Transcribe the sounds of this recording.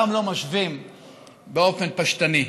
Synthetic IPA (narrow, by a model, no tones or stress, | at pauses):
amlo̞maʃvim | beo̞fe̞npaʃt̪ani